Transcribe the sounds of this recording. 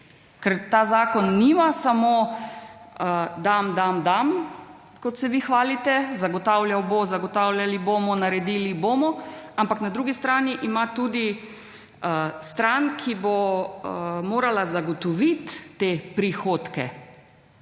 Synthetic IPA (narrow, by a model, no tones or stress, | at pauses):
kɛɾt̪aːzaːkɔnːimasamoː | d̪amd̪amd̪am | kɔt̪sɛʋixʋaːlit̪ɛzaɡɔt̪aːwljawbozaɡɔt̪aːwlʲjaliboːmɔnaɾɛd̪iːliboːmɔampaknad̪ɾuɡist̪ɾaːniʔimat̪uːd̪i | st̪ɾaːnkʰibo | moːɾalazaɡɔt̪ɔʋit̪ːepɾixoːt̪kɛ̰